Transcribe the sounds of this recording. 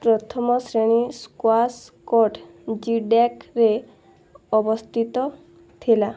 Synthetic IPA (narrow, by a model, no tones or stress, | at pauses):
pɾɔt̪ʰɔmɔsɾeɽ̃iskwaskɔʈ | d͡ʒiɖakɾe | ɔbɔst̪ʰit̪ɔ | t̪ʰila